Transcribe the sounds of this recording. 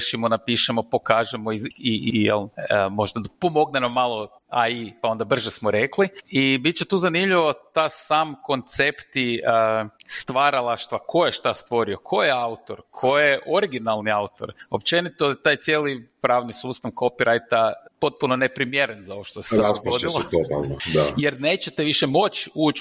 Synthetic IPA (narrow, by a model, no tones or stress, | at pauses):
ʃimonapiʃemopo̞kaːʒemoiijelˠəmo̞ʒd̪apo̞mo̞ɡnenomːalˠo | aipao̞nd̪abr̩ʒesmoɾekliibit̪̚t͡ʃet̪uːzanimʎiʋo̞t̪asamko̞nt̪se̞pt̪i | st̪ʋaɾalˠaʃt̪ʋakʰo̞jeʃt̪ast̪ʋo̞ɾio̞kʰo̞jeaut̪oɾkʰo̞jeʔo̞ɾiɡinalˠniaut̪o̞̰ɾo̞pt͡ʃe̞nit̪ot̪aːjt̪sjeːlipɾaːʋnisuːst̪aʋko̞piɾʔajt̪apo̞t̪̚punone̞pɾimjeɾenzao̞ʋoʃt̪ose̥aspod̪ilˠot̪ot̪a̰lˠnod̪ajeɾne̞ːt͡ʃet̪eʋiʃemo̞t͡ʃuːt͡ʃ